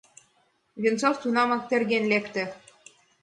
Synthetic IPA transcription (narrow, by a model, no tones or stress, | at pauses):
βint͡soft̪unɑmɑk̚t̪ĕrɣenlekt̪ĕ